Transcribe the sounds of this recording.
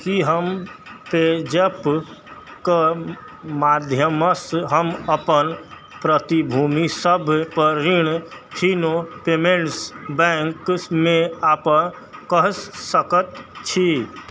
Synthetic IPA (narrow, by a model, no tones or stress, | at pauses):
kiɦəmped͡ʒəp | ka | maːd̪ʱjəməsɦəməpən | pɾət̪ibʱuːmisəbʱpəɾiɽ̃ʈʰinopemeɳʈsbɛ̃ŋkmẽaːpə | kəɦsəkət̪t͡ʃʰi